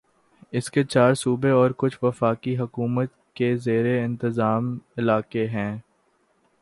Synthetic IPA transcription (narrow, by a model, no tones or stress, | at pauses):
ɪsket͡ʃaːɾsuːbeɔːɾkʊt͡ʃʰʋɐfaːkiɦɐkuːmət̪̚ | kezeːɾeɪ̃nt̪ɪzaːmɪlaːkeɦɛ̃ː